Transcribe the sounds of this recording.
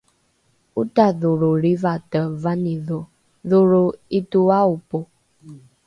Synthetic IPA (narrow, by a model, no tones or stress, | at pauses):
utaðoɾoɾivatəvaniðo | ðoɾoituaupo